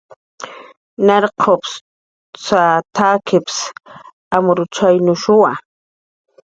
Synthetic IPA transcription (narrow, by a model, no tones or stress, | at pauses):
naɾqʰops | t͡sat̪ʰaːkʰɪps | amʊɾʊt͡ʃajnʊʃʊwa